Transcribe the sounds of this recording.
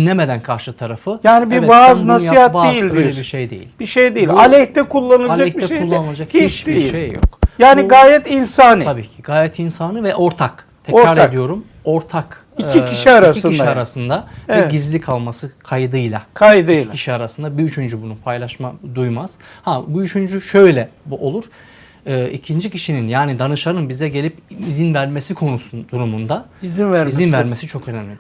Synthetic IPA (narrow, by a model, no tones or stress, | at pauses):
inlʲeme̞d̪ænkʰaɾʃɯt̪ʰaɾafɯjaːnibiɾɛvaːznasj̪iat̪vaejilʲdøilʲebiɾʃejd̪ḛjḭlʲb̥iʃejd̪eilʲalʲɛçt̪ɛkʰulˠːanɯlˠalad͡ʒaɛç̚biɛʃeulˠːanlˠad͡ʒakhit͡ʃd̪eijiʃejjo̰kjaːniɡaːjɛt̪insanɯabiːcʰiɡaːjɛt̪ʰinsanɯvɛʔo̞ɾt̪ʰak | t̪ʰɛɾaɾlead̪ijo̞ɾum | o̞ɾt̪ʰak | iicʰiʃiaɾasiɯniʃiaɾasɯnd̪abiɟizlʲikʰalˠmasɯkʰajd̪ɯjlˠakʰajd̪ɯjlˠacʰiʃiaɾasɯnd̪abiyt͡ʃʰynd͡ʒybunupʰajlˠaʃmad̪ujmaz̥habuyt͡ʃʰynd͡ʒyʃø̞jlʲɛbuʔo̞lˠuɾ̥ | ɯːicʰind͡ʒicʰiʃininjaːnid̪anɯʃaɾɯnbizɛɟe̞lʲipizinvæɾme̞sikʰo̞nusud̪uɾumund̪aizinvæɾizinvæɾme̞sit͡ʃʰo̞kʰø̞nɛmlʲi